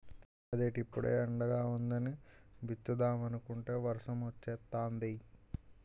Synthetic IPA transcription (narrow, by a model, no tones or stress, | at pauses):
ɐd̪eːʈipːuɽḛːɐɳɖɐɡaːund̪ɐniʋit̪ːud̪aːmɐnukuɳʈe̞ːʋɐɾʂɐmʋɐt͡ʃːɛːt̪ːaːnd̪i